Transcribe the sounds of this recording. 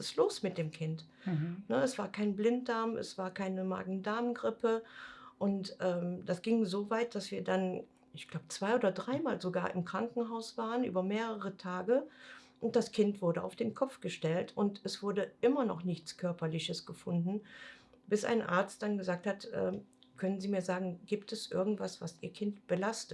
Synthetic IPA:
ɪstloːsmɪt̚d̥eːmkʰɪnt | nəɛsv̥aːɐkʰaɪnblɪnt̚d̥aɐmʔɛ̰sv̥aːɐkʰaɪnəma̰ːɡŋ̩daːmɡʁɪpʰəʔʊntʔɛːmd̥asɡ̥ɪŋzoːvaɪt̚d̥asv̥iːɐdan | ʔɪçɡ̥laʊbət͡sv̥aɪoːdɐdʁaɪmaːlzoɡaːɐʔɪmkʁ̥aŋkŋ̩ɦaʊsv̥aːʁənʔy̰ːbɐmeːʁəʁ̞ətʰaːɡəʔʊnt̚d̥askʰɪntv̥ʊɐdəa̰ʊfd̥eːnkʰɔpp͡fɡ̥əʃtɛltʰʊntɛsv̥ʊɐdəʔɪmɐnɔ̰χnɪçt͡skʰœɐpɐlɪçəsɡ̥əfʊndn̩ | b̥ɪsʔa̰ɪnʔa̰ɐt͡st̚d̥anɡəzaːk̚thatʔɛ̰ː | kʰœnənziːmiːɐzaːɡŋ̩ɡ̥iːp̚tɛsʔɪɐɡŋ̩tv̥asv̥asʔiːɐkʰɪntb̥əlastət

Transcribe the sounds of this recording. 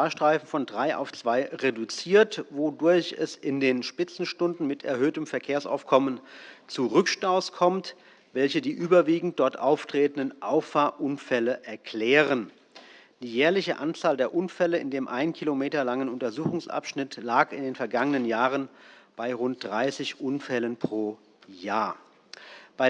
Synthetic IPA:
aːɐʃtʁ̥aɪfn̩fɔndʁaɪʔa̰ʊft͡sv̥aɪʁedut͡siːɐtvodʊɐçɛ̰sɪndeːnʃpɪt͡sn̩ʃtʊndn̩mɪtʰɛ̰ɐhøːtəmfɛɐkʰeːɐsa̰ʊfkʰɔmənt͡suʁʏkʃtaʊskʰɔmt | vɛlçədiːʔyːbɐviːɡŋ̩t̚d̥ɔɐtʔaʊftʁ̥eːtn̩dənʔaʊffaɐʔʊnfɛləʔɛɐkl̥ɛːʁən | d̥iːjɛːɐlɪçəʔa̰nt͡saːldeːɐʔʊnfɛləɪ̰ndeːmʔaɪnənkʰilomeːtɐlaŋənʊntɐzuːxʊŋsʔa̰pʃnɪtlaːkɪndeːnfɛɐɡaŋənənjaːʁənb̥aɪʁʊnt̚d̥ʁaɪsɪçʔʊnfɛlənpʁ̥oː | jaːɐ | b̥aɪ

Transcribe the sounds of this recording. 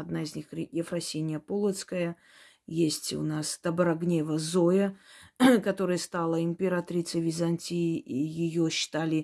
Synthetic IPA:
ɐd̪naɪzʲnʲixɾʲjɪfɾɐsʲenʲɪjəpolˠət̪skəjə | jesʲtʲʊ̰nast̪ɐbɾɐɡnʲevəzojə | kɐt̪o̞ɾɨjəst̪alˠəɪmʲpʲɪɾat̪ɾʲit̪səjvʲɪzɐnʲtʲiɪijɪjoɕːɪ̥t̪alʲɪ

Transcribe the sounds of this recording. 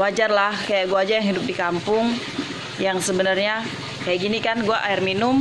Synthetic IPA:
wad͡ʒarlahkajaʔɡuad͡ʒajaŋɦidʊp̚dikampʊŋ | jaŋsəbənarɲa | kajaʔɡinikanɡuaʔaɪrminʊm

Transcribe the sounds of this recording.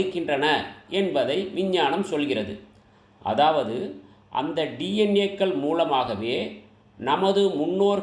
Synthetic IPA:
ɯkːɪndrɐnɐɛnbɐðɐɪʋɪɲːaːɳɐmsɔlɣɪrɐðɯ̰ | ʔɐ̰ðaːʋɐðɯ | ʔɐ̰nd̪ɐɖiːɛnekːɐɭmuːlɐmaːɣɐʋeː | nɐmɐðɯmʊnːoːɾ

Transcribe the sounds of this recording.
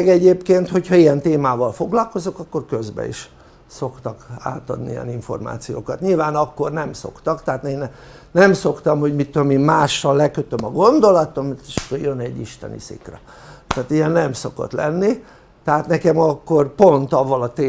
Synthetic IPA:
ɡɛɟeːpkeːnt̪ho̞cʰhɒijɛnt̪eːmaːvɒlfo̞ɡlɒlko̞zokɒkːo̞rkø̞zbɛ̰ḭʃ | so̞kt̪ɒka̰ːt̪ɒ̰d̪niɛ̰niɱfo̞̰rma̰ːt̪sijo̰ːkɒt̪ɲilvaːnɒkːo̞rnɛmso̞̰kt̪ɒkt̪ɛɦat̪nen | nɛmso̞kt̪ɒmho̞ɟmit̪ːuomimmaːʃːɒlːɛkøt̪ømɒɡo̞nd̪o̞lɒt̪o̞mːit̪iʃɒ̥kːorjønɛɟːiʃt̪ɛ̰nḭsḭkrɛ | t̪æːt̪ijɛnnɛmso̞ko̞̰t̪lɛ̰nːi | t̪ɛɦat̪nɛkɛmɒkːo̞rpo̞nt̪ɒvːɒlɒt̪eː

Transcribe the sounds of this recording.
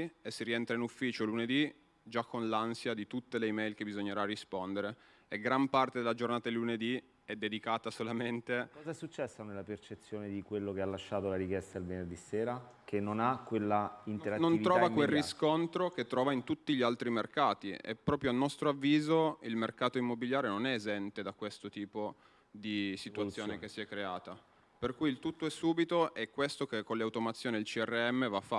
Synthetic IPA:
esːiɾiɛnt̪ɾainufːiːt͡ʃoluned̪i | d͡ʒakʰːonlansjad̪it̪ut̪ːeleimɛjlk̟ebizoɲːeɾarispond̪eɾe | eɡɾampart̪ed̪elad͡ʒornaːt̪ad̪eluned̪i | ɛd̪ːed̪ikaːt̪asolament̪ekɔːzaɛsːut͡ʃːɛsːonelːapert͡ʃet̪sːjoːned̪ikwelːokealːaʃːaːt̪olaɾikjɛst̪aelvenerd̪isːeːɾakʰenːonakwelːaint̪eɾanonɾɔːvakwelriskont̪ɾok̟et̪ːɾɔːvaint̪ut̪ːiʎialt̪ɾimerkaːt̪iɛ̰pːɾɔːpɾjoalnɔst̪ɾoavːiːzoilmerkaːt̪oimːobiljaːɾenonɛezɛnt̪ed̪akwest̪ot̪iːpo | d̪isit̪uat̪sːjoːnek̟esːiɛkːɾeaːt̪a | perkujilt̪ut̪ːoɛsːuːbit̪oʔɛkːwest̪okekːonleawt̪omat̪sːjoːniilt͡ʃiɛrːeɛmːevafːa

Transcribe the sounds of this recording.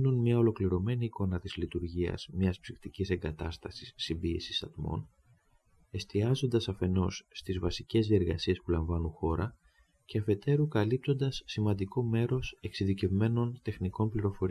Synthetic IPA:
nunmɲɐo̞lo̞kliɾo̞me̞niːko̞nɐt̪izlit̪uɾʝiɐ̰z̥mɲɐspsift̪icise̞ŋɡɐt̪ɐst̪ɐsi̥sːimbie̞̰sisɐ̰t̪mo̞̰n | e̞st̪iɐzo̞nd̪ɐsɐfe̞no̞sːt̪izvɐsice̞zðie̞ɾɣɐ̰sie̞spulɐɱvɐnunxo̞ɾɐ | ce̞ɐfe̞t̪e̞ɾukɐlip̚t̪o̞nd̪ɐsːimɐnd̪iko̞me̞ɾo̞se̞ksiðice̞vme̞no̞nt̪e̞xniko̞mpliɾo̞fo̞ɾi

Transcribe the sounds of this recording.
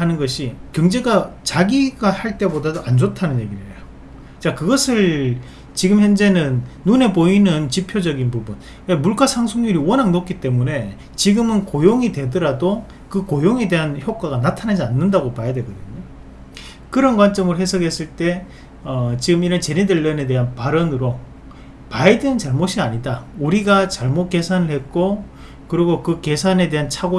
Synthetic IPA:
anɯnɡʌɕʰikjʌŋd͡ʑe̞ɡat͡ɕaɡiɡahaɭt͈e̞bodadoʔand͡ʑotʰanɯnje̞ɡiɾɯejo | t͡ɕ͈akɯɡʌsʰɯɭ | t͡ɕiɡɯmçjʌnd͡ʑe̞nɯnːune̞boinɯnt͡ɕipʰjod͡ʑʌɡinpubun | we̞muɭk͈asʰaŋsʰoŋɲuɾiwʌnɦaŋnok͈it͈e̞mune̞ | t͡ɕiɡɯmɯnkojoŋidwe̞dʌɾado | kɯkojoŋe̞de̞ɦançjok͈̚aɡanatʰanad͡ʑianːɯndaɡopajedwe̞ɡʌdɯɲo | kɯɾʌnkwant͡ɕ͈ʌmɯɭɦe̞sʰʌɡe̞s͈ɯɭt͈e̞ | ʌt͡ɕiɡɯmiɾʌnt͡ɕe̞ɾideɭːʌne̞d̬e̞ɦanpaɾʌnɯɾo | paident͡ɕaɭmoɕʰiaɲidauɾiɡat͡ɕaɭmot̚k͈esʰanɯɭhe̞t̚k͈o | kɯɾiɡokɯke̞sʰane̞de̞ɦant͡ɕʰaɡo

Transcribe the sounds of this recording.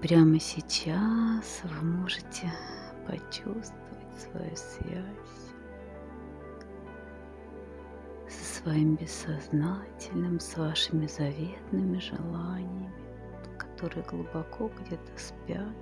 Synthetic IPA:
pɾʲaməsʲɪt͡ɕasvɨmo̞ʐɨtʲɪ | pɐ̰t͡ɕust̪vəvətʲsvɐ̰jṵsvʲæasʲ | sə̥svɐimbʲɪsːɐznatʲɪlʲnɨmsvaʂɨmʲɪzɐvʲet̪nɨmʲɪʐɨ̰lˠanʲɪjəmʲɪ | kɐ̥t̪o̞ɾɨjəɡlˠʊbɐkʰo̞ɡdʲet̪ə̥spʲat̪

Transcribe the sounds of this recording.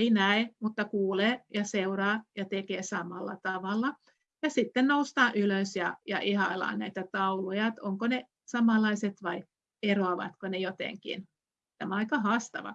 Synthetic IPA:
einæemut̪ːɑkuːleːjɑseuɾɑːjɑt̪ekeːsɑmɑlːɑ̰t̪ɑʋɑlːɑ | jɑsit̪ːennoust̪ɑːʔyløsjɑjɑ̰ʔihɑlɑ̰ːnnæit̪æt̪ɑulojɑt̪oŋkone | sɑmɑlˑɑiset̪ʋɑi | eroɑʋɑ̰t̪konejot̪ḛŋkḭn | t̪æmæɑikɑhɑːst̪ɑ̰ʋɑ̰

